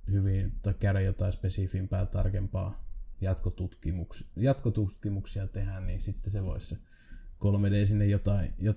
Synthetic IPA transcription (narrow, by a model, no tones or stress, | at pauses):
hyʋiˑnt̪ɑˑikkærejot̪ɑˑispesifimpæːlt̪ɑrkempɑ̰ːjɑt̪kot̪ut̪kimuksjɑt̪kot̪ut̪kimuksiɑt̪ehænniːnsit̪ːeseʋo̰isse | kolmedeːsinːejjot̪ɑijo